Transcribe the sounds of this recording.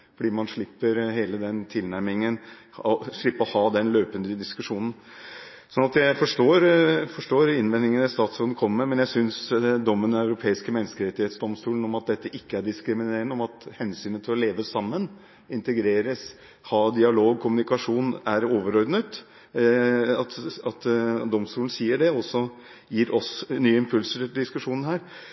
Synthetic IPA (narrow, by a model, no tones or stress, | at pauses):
fɔɖiːmɑnʂɭɪpːəɾheːləd̪ɛnt̪ʰɪlnæɾmɪŋən | ɔʂɭɪpːəɔhɑːd̪ɛnløːpənd̪əd̪ɪskʉʂuːnn̩ | sɔnɑt̪jæɪfɔʂʈoːɾfɔʂʈoːɾɪnʋɛnːɪŋənɛst̪ɑːt̪sɔd̪ən̩kʰɔmːəɾmɛnjæɪsʏnsd̪ɔmːənɑʉɾʊpʰeːɪskəmɛnːəskəɾɛt̪ːɪheːt̪sd̪ɔmst̪uːlən̩ɔmɑt̪̚d̪ɛt̪ːəʔɪkːəæɖɪskɾɪmɪneːɾənəɔmɑt̪hɛnsyːnət̪ʰɪlɔleːʋəsɑmːən | ɪnt̪əɡɾeːɾəs | hɑːd̪ɪɑloːɡ̚kʰʊmʉnɪkɑʂuːnæɾoːʋəɾɔɾd̪nət̪ | ɑt̪ɑt̪d̪ɔmst̪uːln̩siːəɖɛɔsɔ | jiːɾʔɔsnyːəɪmpʰʉlsəʈɪld̪ɪskʉʂuːnn̩hæːɾ